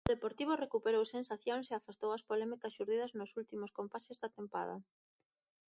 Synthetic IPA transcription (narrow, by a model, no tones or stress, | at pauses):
ʊðepoɾt̪iβ̞ʊrekupeɾowsensaθjoŋseafast̪owɐspolɛmikɐsʃuɾðiðɐznʊsult̪imoskompasezðat̪empa̰ðɐ̰